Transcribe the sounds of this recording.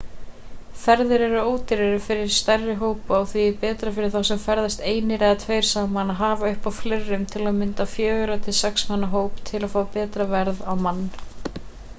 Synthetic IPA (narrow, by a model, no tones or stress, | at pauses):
fɛɾðʏɾɛɾʏoːwt̪ɪɾɛɾʏfɪɾɪɾ̥st̪ɛrːɪɦoːwpawθvipɛːt̪ɾafɪɾɪɾ̥θawsɛmfɛɾðast̪eːjnɪɾɛɣat̪ʰveːjɾ̥saːmanaɦaːvaʏhpawflerːʏmt̪ʰɪlaðmɪnt̪afjœːɣʏɾat̪ʰɪlsɛksmanːaɦoːwpt̪ʰɪlaðfoːapɛːt̪ɾavɛɾðawmanː